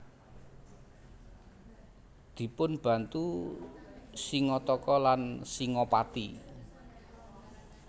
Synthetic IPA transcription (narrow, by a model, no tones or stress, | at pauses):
d̪̥i̤pʊnb̥ä̤nt̪u | siŋɔt̪ɔkɔlansiŋɔpat̪i